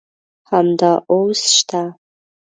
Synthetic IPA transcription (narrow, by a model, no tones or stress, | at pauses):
ħamdaʔowsʂtʰa